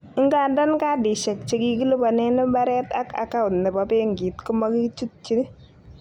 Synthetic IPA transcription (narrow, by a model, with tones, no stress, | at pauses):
ɪ˦ŋɡaː˨nda˦nka˦di˨ʃɛ˨k̚t͡ʃe˨ki˦ki˦lu˦ba˨nɛ˦nɪ˦mba˦ɾɛ˦ta˦ka̰˨ka˦ʊ˨tnɛ˨bɔ˨˦pe˦ŋɡi˨tku˦ma˦ki˦t͡ʃu˦t̚t͡ʃi˦